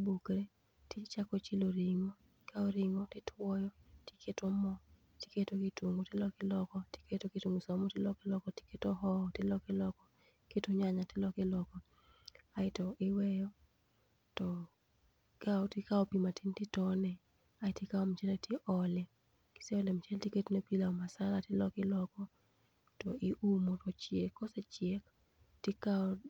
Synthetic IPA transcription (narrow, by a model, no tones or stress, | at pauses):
bukɾe | tɪt͡ʃakɔt͡ʃiloɾiŋɔtɪkaoɾiŋɔtɪtʰwɔjɔti̥kʰetomɔ | ti̥ketokituŋɡotɪlɔkɪlɔkɔti̥ketokitoŋɡosɔmɔtɪlɔkɪlɔkɔti̥ketoɦɔtɪlɔkɪlɔkɔ | ketoɲaɲatɪlɔkɪlɔkɔ | aɪtɔʔɪwɛjɔ | tɔ | kaɔtɪkaopimatʰintɪtɔnɛ | aɪtikaɔmt͡ʃɛlatʰjeʔɔlɛ | kɪ̥sɛɔlɛmt͡ʃɛltiketonepilaɔmasalatɪlɔkɪlɔkɔ | tɔʔɪʔumotɔt͡ʃjekːɔsɛt͡ʃɪɛk | tikaɔ